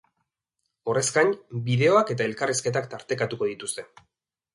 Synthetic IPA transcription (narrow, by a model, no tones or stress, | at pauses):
o̞re̞skanbiðe̞o̞ake̞t̪̬ae̞lkariske̞t̪̬akt̪aɾt̪e̞kat̪uko̞ð̞it̪ust̪e̞